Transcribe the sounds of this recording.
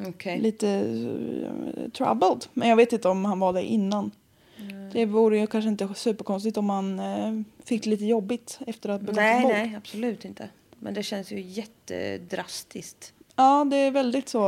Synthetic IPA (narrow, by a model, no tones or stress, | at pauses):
ɔkʰɛliːt̪ə | t̪ʰɾa̰bəld̪mɛ̰njɑɡveːt̪ɪnt̪əɔmhanvad̪æɾʔɪ̰nːan | d̪̥ɛvuːɾəjɵkʰanʂ̬əɪnt̪əsʉ̟ːpəɾkʰɔnst̪ɪt̪ɔmhan | fɪkːd̪liːt̪əjɔbːɪt̪ɛft̪əɾat̪̚bɛɡɔmɔɛab̥sɔlʉ̟ːt̪ɪnt̪ʰə̰ | mʔɛ̰nd̪ɛɕɛnsjɵ̰jɛt̪ːə̰d̪ɾast̪ɪskt̪ | ɑːd̪ɛæɾvɛld̪ɪt̪soː